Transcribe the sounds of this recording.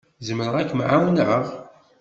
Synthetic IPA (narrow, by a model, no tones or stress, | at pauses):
zəmɾəʁækːmʕawnɾəʁ